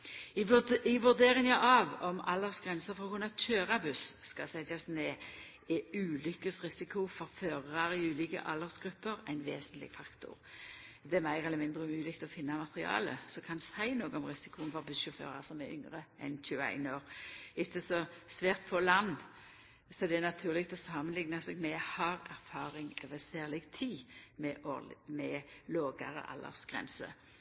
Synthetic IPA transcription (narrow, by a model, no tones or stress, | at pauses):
ɪɪʋʉʁd̪eːʁɪnjɑɪɑʋɔmɑ̰lːəsɡ̥ʁɛnsəɾfɔʁɔkʊnɑt̪ʰøːʁɑbʉsːkɑsɛt̪ɑsneː | ɛʉːlʏkəsʁɪsɪkʰʊfɔɾføːʁɑɾɪʉːlikə̰ʔɑlːəʁsɡ̥ʁʉpːəɾæ̰ɪnʋḛːsənt̪lɪ̰ɡ̥fɑkt̪ʰʊ̰ʁd̪ɛæmæɪʁɛlːəmɪnd̪ʁəʉmʉːlɪkt̪ɔfɪnːɑmɑt̪ʁɪɑ̰ːlə̰sɔkʰɑnsæɪnoːɡəɔmʁɪsɪ̥kʊənfɔʁbʉʃʉfø̰ːʁɑ̰ʁsɔmæʏ̰ŋʁəʔɛ̰nçʉəæ̰ɪnoːʁɪt̪ːəsɔsʋæːʁt̪fʰoːlɑnː | sɔɛd̪ɛænɑt̪ʰʉːʁlɪkt̪ɔsɑːmənlɪŋnɑsɛːɡmɛhɑʁæʁfɑːɾɪŋøːʋəsæːʁlɪɡt̪ʰiːmɛʔomɛloːɡə̰ʁə̰ʔɑ̰lːə̰ʁsɡ̥ʁɛ̰nsə̰